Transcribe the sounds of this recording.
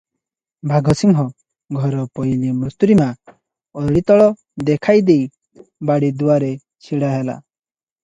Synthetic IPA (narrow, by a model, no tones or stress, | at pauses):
bʱaɡʱɔsimɦɔ | ɡʱɔɾɔpɔjlimɾut̪uɾima | ɔɭit̪ɔɭɔ | d̪ekʰajd̪ej | baɽid̪uwaɾe | t͡ʃʰiɽaɦela̰